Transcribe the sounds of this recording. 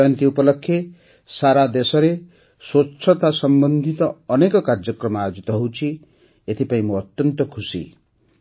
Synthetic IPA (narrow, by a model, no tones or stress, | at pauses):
jʌnt̪iupɔlɔkʰːje | saɾad̪esɔɾe | swotːsʰɔt̪asʌmbʌnd̪ʱit̪ɔːnekɔkaɾd͡ʒʌkɾɔmɔajod͡ʒit̪ɔɦowt͡ʃʰi | et̪ʰipaĩmoʌt̪jʌnt̪ɔkʰusḭ